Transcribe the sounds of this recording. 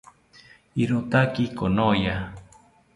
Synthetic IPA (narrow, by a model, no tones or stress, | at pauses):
iɾot̪akikonoja